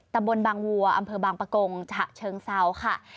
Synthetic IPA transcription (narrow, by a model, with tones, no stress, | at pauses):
t̪a˧mbo˧nbaː˧ŋwu˧ɐʔa˧mpʰɤː˧baː˧ŋpa˧ko˧ŋt͡ɕʰa˧˩ʔt͡ɕʰɤː˧ŋsa˧˥˩wkʰa˥˩